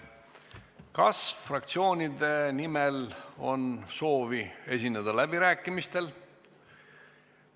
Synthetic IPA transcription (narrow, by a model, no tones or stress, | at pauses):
kɑsfrɑk̚t̪sio̞ːnʲid̪e̞nimelo̞̰nso̞ːvie̞s̬ʲinːed̪ɑlæb̥iɾæːkːˑimist̪e̞l